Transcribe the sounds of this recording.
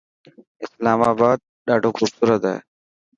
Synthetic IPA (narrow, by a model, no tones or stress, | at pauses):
ɪslaːmaːbaːd̪̚ | ɗaːɖʱoːxʊbsuːɾət̪aɦḛː